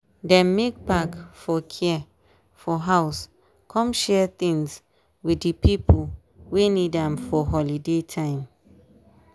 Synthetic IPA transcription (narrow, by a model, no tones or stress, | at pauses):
dɛ̃mːek̚pakfɔkʰɛ | fɔɦaʊs | kʰɔ̃mʃɛθĩŋs | widdipipʰu | wenidãmfɔɦɔlidetʰãɪ̃m